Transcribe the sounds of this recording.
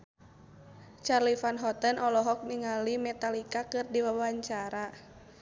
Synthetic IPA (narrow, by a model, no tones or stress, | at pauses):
t͡ʃarlifanɦɔt̪ənʔɔlɔɦɔk̚niŋalimɛt̪alikakɨrdiwawaɲt͡ʃaɾa